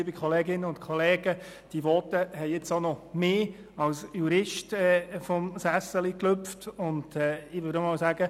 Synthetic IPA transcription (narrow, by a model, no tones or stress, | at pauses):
bikʰχɔleːɡɪnːəʊntkʰɔlɛːɡ̥ə | d̥iʋɔtəhɛɪɪt͡sonɔmeː | ɑlsjuɾɪʃtɛfɔmsæsəlikløpftʊnd̥ɛːɪʋøːɾəmɑwsaːɡə